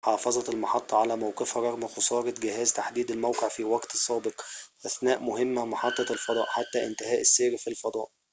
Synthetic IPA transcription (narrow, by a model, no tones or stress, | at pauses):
ħɑːfɑzˤɑt̪elmɑħɑt̪ˤːɑʕalæːmæwqefɾˤɑɣmxosˤɑːɾˤɑt̪ɡɪɦæːzt̪aħd̪iːd̪ælmæwqeʕfiwɑɡt̪sˤːɑːbeqʔæθnæːʔmʊɦɪmːæmɑħɑt̪ˤːɑlfɑd̪ˤɑ̰ːʔħat̪ːæʔɪnt̪ɪhæːʔɪsːeːɾfilfɑd̪ˤɑ̰ːʔ